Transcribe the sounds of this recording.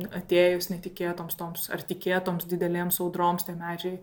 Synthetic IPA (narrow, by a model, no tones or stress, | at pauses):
ɐt̪ʲeːjʊsnʲɛt̪ʲɪkʲeːt̪oːmst̪oːmsɐ̰rt̪ʲɪkʲeːt̪oːmsd̪ʲɪd̪ʲɛlʲeːmsɐʊd̪ɾoːmst̪ʲɛːmʲæːd͡ʒʲɛɪ